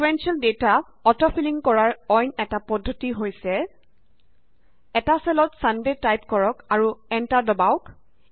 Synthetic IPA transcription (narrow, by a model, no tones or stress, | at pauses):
kuwɛnsiɔldeta | ɔtɔpʰiliŋkɔɹaɹɔjnɛtapɔdʱːotiɦojsɛ | ɛtasɛlɔtsandetajpkɔɹɔkaɹuɛntadɔbaʊk